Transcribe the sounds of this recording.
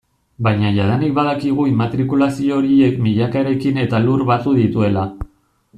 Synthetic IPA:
bajɲaʝaðanik̚baðakiɣ̞uimat̪ɾikulasio̞ɾie̞kmiʎakaeɾe̞kine̞t̪aluɾβat̪uðit̪ue̞la

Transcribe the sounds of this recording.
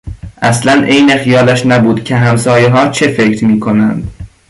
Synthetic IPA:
ʔæslænʔe̞jne̞xijɒːlæʃnæbuːd̪̥cʰe̞ɦæmsɒːjeɦɒːt͡ʃʰe̞fe̞cʰɾmiːkʰo̞nænd̪̥

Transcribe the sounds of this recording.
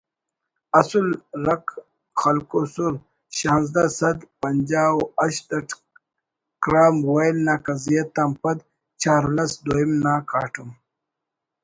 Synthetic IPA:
ɐsulɾɐk | xɐlkosuɾ | ɕãːnzd̪asɐd̪pɐnd͡ʑaːwɐʃd̪ɐʈ | kɾaːmwejlnaːkɐzijet̪ampɐd̪ | t͡ʃaːɾlɐsd̪oimnaːkaːʈʰum

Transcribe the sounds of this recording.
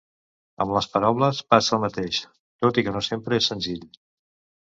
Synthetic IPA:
ə̰mləspəɾawləspasəːlˠmət̪eʃ | t̪ot̪ikənosempɾəesːənziʎ

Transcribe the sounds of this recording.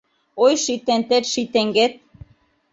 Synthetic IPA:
ojʃit̪ent̪et̪ʃit̪eŋɡet̪̚

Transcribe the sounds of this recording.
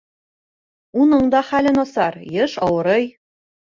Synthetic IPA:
unɤɴd̪ɑχælɘnɒsɑɾjɤʃɑwɤ̆ɾɤj

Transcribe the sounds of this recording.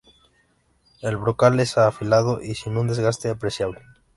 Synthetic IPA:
elβɾokalesaːfilað̞oʔisinũnd̪e̞zɣast̪eapɾe̞sjaβle

